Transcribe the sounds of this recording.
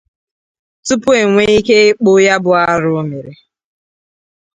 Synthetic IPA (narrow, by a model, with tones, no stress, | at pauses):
tʊ˦pʊ˦e˨ŋʷe˦i˦ke˦ɪ˦k͡pʊ˦ja˦bʊ˨a˦ɾʊ˦o˦me˨ɾe˨